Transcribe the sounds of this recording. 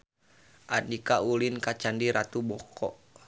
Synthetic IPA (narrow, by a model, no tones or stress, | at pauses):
ʔanikaulinkat͡ʃandiɾat̪ubɔkɔ̰ʔ